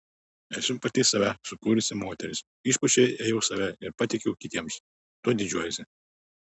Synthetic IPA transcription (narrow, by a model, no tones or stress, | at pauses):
æːsʲʊmpɐt̪ʲiːsɐʋʲæsʊkuːɾʲɪsʲɪmoːt̪ʲɛɾʲɪs | iːˑʃpʊt͡ʃʲɛjeːjɛʊsɐʋʲɛɪɾpɐt̪ʲɪkʲɛʊkʲɪt̪ʲiɛms | t̪uɔd̪ʲɪd͡ʒʲuɔjɛsʲɪ